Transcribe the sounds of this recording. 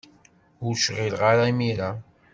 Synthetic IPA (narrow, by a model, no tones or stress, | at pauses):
uʃʁɪlʁaɾaimiɾa